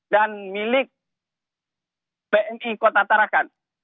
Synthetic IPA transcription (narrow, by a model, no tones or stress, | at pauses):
danmilɪk̚ | peʔɛnikot̪at̪aɾakan